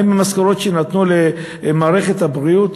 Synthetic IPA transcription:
imamaskaʁo̞t̪ʃenat̪nule | maːʁe̞χet̪habʁiut̪

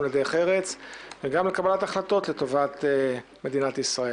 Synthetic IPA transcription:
led̪ejχeʁet͡sveɡamlekabalat̪aχlat̪o̞tle̞to̞vat̪ | me̞d̪inat̪isʁae

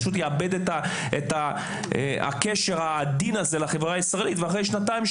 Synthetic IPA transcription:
ʃut̪̬jeabe̞d̪et̪a | et̪a̰ | a̰keʃe̞ʁad̪inazelaχe̞vʁaːisʁaelit̪veaχʁejʃnat̪aimʃ

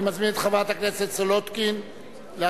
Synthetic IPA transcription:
mazminet̪χavat̪akneset̪solot̪kin | lea

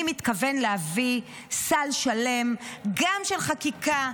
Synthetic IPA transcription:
mit̪kave̞nlehavi | salʃale̞mɡamʃelχakika

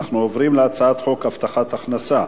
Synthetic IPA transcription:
aχnuovʁimleat͡saat̪χo̞kaft̪aχat̪aχnasa

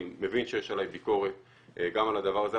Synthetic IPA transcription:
evinʃejeʃalajbiko̞ʁet̪ | ɡamalad̪avaʁze

